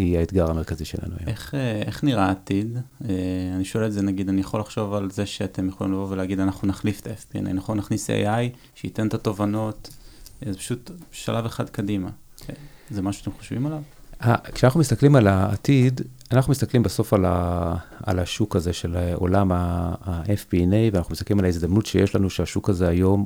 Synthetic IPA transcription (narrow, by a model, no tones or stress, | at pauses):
iaet̪ɡaʁame̞ʁkaziʃelʔa̰nua̰ja̰meχeeχniʁaːt̪ideaniʃo̞eletzenaɡid̪anijaχo̞laχʃo̞valze̞ʃeat̪e̞mjeχo̞lḭmlavo̞veleːɡid̪anaχnunaχlift̪aefpia̰nḭnaχonːaχnisḛjaj | ʃeite̞ntato̞vano̞tzepḁʃutʃalʔaveχad̪kadima̰ | zemaʃuʃat̪emχoʃvimalav | akʃeanaχnumist̪aklimalaːt̪id | anaχnumist̪aklimbeso̞fala̰ː | laʃukaze̞ʃelo̰lamaːʔefpienejveanaχnumist̪aklimalaizd̪amnutʃejeʃlanuʃeaʃukazeajo̞m